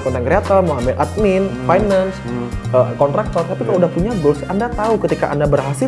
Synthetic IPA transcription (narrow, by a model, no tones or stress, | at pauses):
pɔnt̪aŋkɾeat̪əlmoambɪlʔat̪̚mɪnfajnansəkɔnt̪ɾak̚t̪ɔrt̪apikaudahpuɲaɡʊsandat̪aukət̪ika̰ʔa̰ndabərɦasɪ